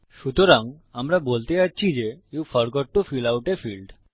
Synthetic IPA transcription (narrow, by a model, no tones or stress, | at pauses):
ʃut̪oɾaŋ | amɾabolt̪et͡ɕatːɕʰid͡ʑejufəɾɡɔʈːufilawʈefilɖ